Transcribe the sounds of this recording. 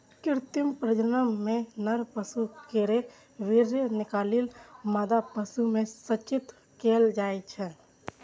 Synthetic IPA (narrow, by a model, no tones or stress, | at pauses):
kɪɾt̪jumpɾəd͡ʒənəmːenəɾpəsukeɾe | ʋiɾjənɪkaːlilmaːd̪apəsumesət͡ʃɪt̪ | keld͡ʒaːɛt͡ʃʰɛ